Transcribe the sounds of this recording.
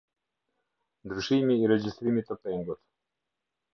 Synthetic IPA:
nd̪ɾyʃimiːɾɛd͡ʑist̪ɾimit̪əpɛŋɡut̪

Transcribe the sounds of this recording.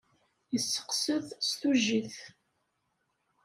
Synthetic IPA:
jəsːə̥qsəðst̪uʒːiθ

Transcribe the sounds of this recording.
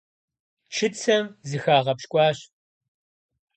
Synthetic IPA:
t͡ʃʰɨt͡sʰɐmzɨxaːʁɐpʃkʷʼɑːɕ

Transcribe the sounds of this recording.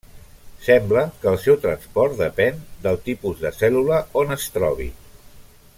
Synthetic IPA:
sɛmbləkəːlˠsɛwt̪ɾənspɔɾt̪̚d̪əpɛnd̪əlˠt̪ipuzðəsɛluləonəst̪ɾɔ̰β̞ḭ

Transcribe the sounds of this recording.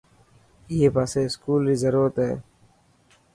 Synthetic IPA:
jeːpaːseːɪskuːlɦiːzəɾuːɾət̪ɦḛː

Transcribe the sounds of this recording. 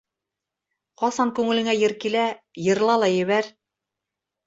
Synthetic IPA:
qɑsɑŋkʉŋɘ̆lɘ̆ŋæjɘ̆ɾkilæjɤ̆ɾlˠɑlˠɑjɘ̆βæɾ

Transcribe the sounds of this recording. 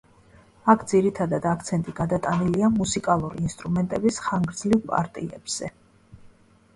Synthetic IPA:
akʰd̪ziɾit̪ʰad̪ad̪akʰt̪sʰɛnt̪ʼiɡad̪at̪ʼaniliamusikʼalˠuɾiːnst̪ʼɾumɛnt̪ʼɛbisχaŋɡɾd̪zlivpʼa̰ɾt̪ʼḭɛ̰b̥z̥ɛ

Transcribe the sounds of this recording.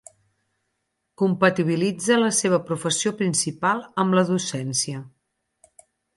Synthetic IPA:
kumpət̪iβ̞ilid͡zələseβ̞əpɾufəsiopɾinsipalˠəmləðusɛnsiə

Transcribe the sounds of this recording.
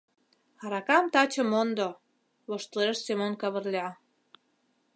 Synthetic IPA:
ɑɾɑkɑmt̪ɑt͡ɕə̆mond̪o | βoʃt̪leʃsemonkɑβərlʲeɑ

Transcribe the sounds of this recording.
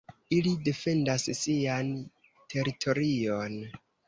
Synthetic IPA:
ilide̞fe̞ndasːian | tʰe̞ɾitʰo̞ɾio̞n

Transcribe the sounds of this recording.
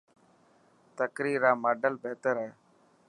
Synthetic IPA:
t̪əkɾiːɾaːmaːɖəlbeːt̪əɾɦɛː

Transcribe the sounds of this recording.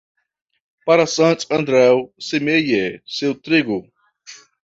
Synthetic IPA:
paɾɐsɐ̃nt̪ɐ̃nd̪ɾɛwsemejesewt̪ɾiɡʊ

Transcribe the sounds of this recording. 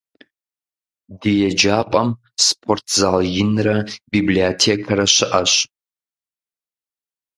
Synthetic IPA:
dɨjɛd͡ʒaːpʼɐm | spʰortʰzaːljɪnrɐbiːbliotʰeːkʰɐɾɐɕɪʔɐɕ

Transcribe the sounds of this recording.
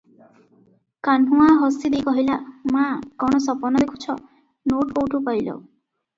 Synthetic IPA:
kanũaɦɔsid̪ejkɔɦilamakɔɽ̃ɔsɔpɔnɔd̪ekʰu̥t͡ʃʰɔ | noʈpowʈupajlɔ̰

